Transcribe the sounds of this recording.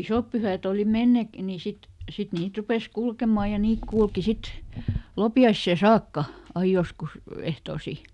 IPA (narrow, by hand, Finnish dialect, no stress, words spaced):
isoˑp pyhæˑt oˑli menːek ni sit sit niːt rupes kulkemɑˑ jɑ niːk kulki sit lopiɑisːeˑ sɑːkːɑ ɑi joskus ehtoːsi